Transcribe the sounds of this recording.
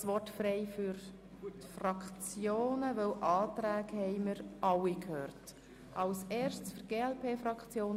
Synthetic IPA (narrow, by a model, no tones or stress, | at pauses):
sʋɔtfrɛɪfyɾ | tfrɑkχt͡sjoːnəvœwʔɑːt̪ɾæːɡhɛɪməɾɑwikhøːɾt | ʔɑʊseːɾʃtsfəɡ̥eːɛlpʰeːfrɑkχt͡sjoːn